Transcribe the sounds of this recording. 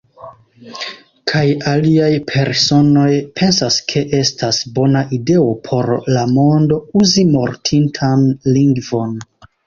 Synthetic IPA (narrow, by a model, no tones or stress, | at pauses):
kʰajaliajpʰe̞ɾso̞no̞jpʰe̞nsaskʰe̞ʔe̞stʰasbo̞naʔide̞o̞pʰo̞ɾlamo̞ndo̞uzimo̞ɾtʰintʰanliŋɡvo̞n